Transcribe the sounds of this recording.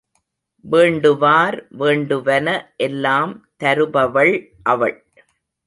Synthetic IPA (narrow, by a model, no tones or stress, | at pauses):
ʋeːɳɖɯʋaːɾʋeːɳɖɯʋɐnɐʔɛlːaːmt̪ɐɾɯbɐʋɐɭ | ʔɐʋɐɭ